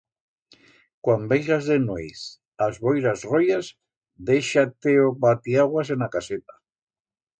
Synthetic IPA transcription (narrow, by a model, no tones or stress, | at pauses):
kwambejʃazðenojs | azβojɾazrojaz | d̪ejʃat̪eoβat̪iaɣwas̬enakaset̪ḁ